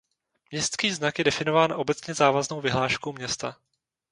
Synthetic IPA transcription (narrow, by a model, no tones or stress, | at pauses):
mɲɛst̪skiːznakjɛdɛfɪno̞vaːnʔo̞bɛt͡sɲɛzaːvazno̞wvɪɦlaːʃkowmɲɛst̪a